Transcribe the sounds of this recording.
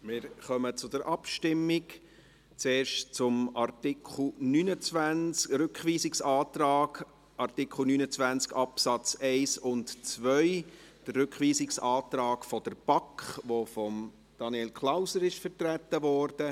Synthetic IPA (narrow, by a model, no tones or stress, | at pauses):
mɪɾχœmət͡sʊd̥əɾʔɑpʃtɪmːɪk | t͡seːɾʃtt͡sʊmɑrtɪkʰl̩nynət͡sʋænt͡skɾʏkχʋiːsɪksɑːt̪ɾɑːɡ | ʔɑrtɪkʰl̩nyːnət͡svænt͡skɑpsɑt͡sɛɪsʊntt͡svœʏ | d̥ərːʏkχʋiːsɪksɑːtɾɑːkfɔd̥əɾb̥ɑkχʋofɔm | d̥ɑnielkʰlaʊsəɾɪʃfəɾtræt̪ːəvɔːrd̥ə